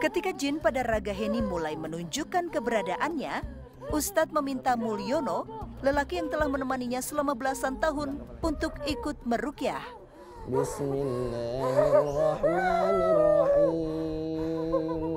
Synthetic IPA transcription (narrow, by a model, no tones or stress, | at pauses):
kət̪ikad͡ʒɪnpadaraɡaɦenimulajmənuɲd͡ʒukankəbəɾadaʔanɲa | ʔust̪at̪̚məmint̪amulionoləlakijaŋt̪əlahmənəmaniɲasəlamabəlasant̪aɦʊnunt̪ʊkikʊt̪̚mərukiah | bismilːaɾɔhmalrahi